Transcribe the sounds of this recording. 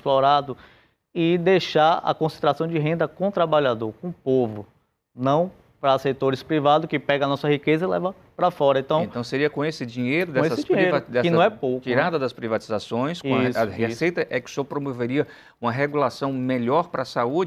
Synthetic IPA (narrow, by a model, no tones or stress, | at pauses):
splɔɾad̪ʊ | ɪd̪ejʃaɾɐ̰kõsẽnt̪ɾasɐ̃w̃d͡ʒɪɦẽnd̪ɐkõt̪ɾabaʎad̪oɾkõʊpovʊ | nɐ̃w̃ | pɾɐset̪oɾɪspɾivad̪ʊkɪpɛɡɐnɔsɐhikezɐilɛ̰vɐ | pɾɐfɔɾɐẽt̪ɐ̃w̃ẽntt̪ɐ̃w̃seɾiɐkõesɪd͡ʒĩɲejɾʊd̪ɛ̃esɐsd͡ʒĩɲiejɾvd̪ɛsɪnɐ̃w̃ɛpowkt͡ʃiɾad̪ɐd̪ɐspɾivat͡ʃizasõj̃skõshesejt̪ɐʔɛkɪ̥sɔpɾomoveɾiɐ | ũmɐɦeɡulasɐ̃w̃meʎɔɾpɾɐsaud͡ʒɪ